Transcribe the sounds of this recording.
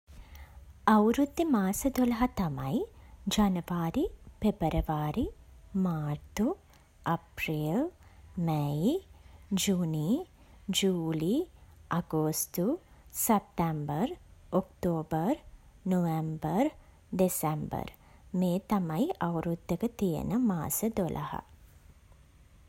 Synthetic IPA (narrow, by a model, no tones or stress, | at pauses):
ɐwɾud̪jɐmaːsɐd̪olɐɦɐt̪ɐmɐjd͡ʒɐnɐʋaːɾipebɐɾɐʋaːɾimaːɾt̪u | ɐpɾiːlmeji | d͡ʒuːni | d͡ʒuːliaɡoːst̪usep̚t̪ɛmbəɾokt̪oːbər | noʋembər | ɖesɛmbə̰ɾ | meːt̪amajʔawɾud̪ʱːəkət̪ijḛnəmaːsəd̪olʔa̰ha̰